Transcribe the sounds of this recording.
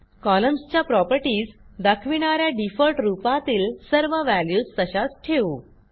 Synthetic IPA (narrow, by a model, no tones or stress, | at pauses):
kɔləmst͡ɕjapɾɔpəɾʈiːd͡zd̪əkʰʋiɽ̃aɾjaɖifəlʈɾupat̪iːlsəɾʋəʋæljuːst̪əɕat͡sʈʰeu